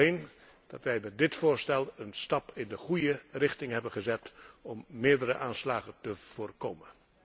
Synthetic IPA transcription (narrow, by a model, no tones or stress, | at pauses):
en | d̥ɑ̰tʋɛjmɛt̚dɪtfʊːɹstɛlˠənstɑpʰɪndəχujərɪχtɪŋɦɛbənχəzɛtɔmːɪːɹdəɾə̰ʔaːnslaːχəntəv̥oːrkoːmən